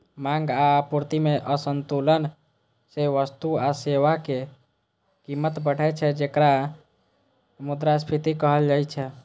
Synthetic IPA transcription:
mãŋɡapuɾt̪imeʔəsənt̪ulən | seʋəst̪uaseʋake | kimːət̪bəɽ̤ɛt͡ʃʰɛd͡ʒekɾa | mud̪ɾaspʰit̪ikəɦəld͡ʒajt͡ʃʰɛ

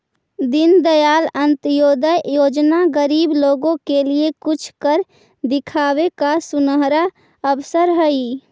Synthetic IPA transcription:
d̪ɪnd̪əjaːlə̃nt̪joːd̪əjjoːd͡ʒnaɡəɾiːbloːɡõkeliekʊt͡ʃʰkəɾ | d̪ɪkʰaːwekasʊnəɦɾa | əbsəɾɦəi

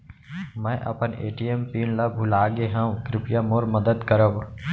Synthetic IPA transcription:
mɛ̃ːʔɐ̰pənḛːʈiempiːnlabʱʊlaːɡeɦɛ̃kɾɪpjamoːɾməd̪əd̪kəɾəb

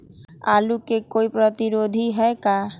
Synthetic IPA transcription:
alukekojpɾɔt̪iɾod̪ʱiɦɛeka

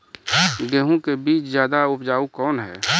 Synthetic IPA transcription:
ɡeːɦõkebiːt͡ʃzjaːd̪aʊpd͡ʒaːukɔːnɦɛ̰ː

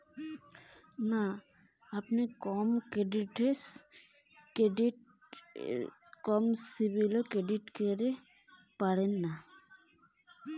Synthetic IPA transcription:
na | apnekɔmkeɖiʈes | keɖiʈ | kɔmsibilokeɖiʈkeɾe | paɽenːa

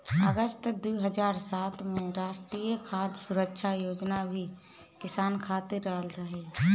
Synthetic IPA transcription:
əɡəst̪d̪uːɦəd͡ʒaːɾsaːt̪mẽɾaːʃʈɾiːjəkʰaːd̪sʊɾəkʃʰajoːd͡ʒnabʱi | kɪsaːnkʰaːt̪eɾaːlɾəɦeː

